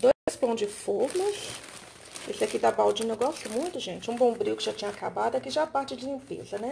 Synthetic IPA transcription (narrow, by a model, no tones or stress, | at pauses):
d̪ospɐ̃w̃d͡ʒɪfoɾmɐs | esɪakid̪ɐbawd͡ʒĩnʊewɡɔst̪ʊmũj̃t̪ʊʒẽt͡ʃɪũbõbɾiʊkɪʒat͡ʃĩɲɐakabad̪ʊakiʒapaɾt͡ʃɪd͡ʒɪlĩpḛzɐnɛ